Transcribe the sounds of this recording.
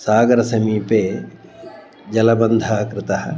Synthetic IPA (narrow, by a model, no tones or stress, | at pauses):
saːɡɐɾɐsɐmiːpeː | d͡ʒɐlɐbɐnd̪ʱaːkɾɪt̪ɐhɐ̰̆